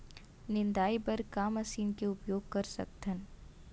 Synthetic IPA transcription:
nɪ̃nd̪aːibɐɾkaːmɐsiːnkeʊpjoːɡ̚kɐɾsɐ̰k̚t̪ʰən

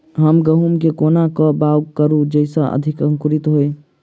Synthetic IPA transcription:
ɦəmɡəɦumkekoːnakɔbawkəɾud͡ʒəɪsaʔə̰d̪ʱikə̃ŋkuɾit̪ɦoe

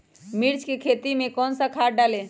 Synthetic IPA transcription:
miɾt͡ʃʰkekʰet̪imekɔnsə̃kʰaʈ̚ɖale

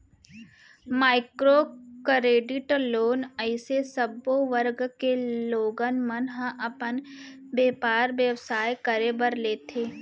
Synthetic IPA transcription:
maːɪkɾoːkəɾeːɖɪʈloːnəɪsesəboʋəɾɡkeloːɡənmənɦãʔɐpən | beːpaːɾʋjəwsaːjkəɾebəɾleːt̪ʰeː

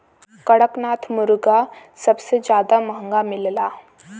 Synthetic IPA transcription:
kəɽəknat̪ʰmuɾɡasəbsed͡ʑad̪aməɦəŋɡamilla

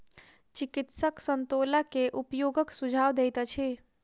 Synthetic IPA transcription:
t͡ʃikit̪səksənt̪olakeʔupjoɡəksud͡ʒʱawd̪ejt̪ət͡ʃʰi

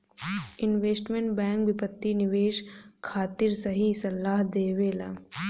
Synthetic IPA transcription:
ɪnʋeːsʈmẽɳʈbɛ̃ːŋkbɪpət̪ːinɪʋeːʃkʰaːt̪ɪɾsɐɦisɐlːaːɦd̪eːʋeːla̰ː

